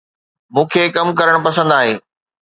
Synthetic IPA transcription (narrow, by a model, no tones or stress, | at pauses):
mũːkʰeːkɐmkɐɾəɽ̃pɐsə̃nd̪aːɦeː